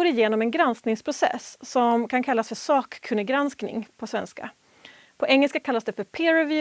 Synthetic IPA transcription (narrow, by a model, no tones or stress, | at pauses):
uːɾɪjeːnɔmɛnɡɾansknɪŋspʰɾʊsɛ̰sːɔmkʰankʰalːasfœʂɑːkːʰɵnəɡɾansknɪ̰ŋpʰɔsvɛnska̰ | pʰɔʔɛŋːɛlskakʰalːasd̪ɛfœɾpʰeːɾɛvi